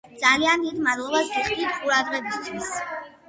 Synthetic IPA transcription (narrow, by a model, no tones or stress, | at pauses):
d̪z̥aliand̪id̪mad̪lˠɔbasɡiχʼd̪it̪ʰqʼuɾad̪ʁɛbist̪ʰwis